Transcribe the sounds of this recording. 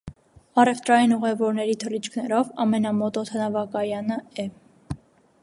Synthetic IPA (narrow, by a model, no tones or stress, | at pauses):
ɑrɛft̪ɾɑjinuʁɛvɔɾnɛɾit̪ʰəlit͡ʃʰkʰnɛɾɔvɑmɛnɑmɔt̪ɔt̪ʰɑnɑvɑkɑjɑnəɛ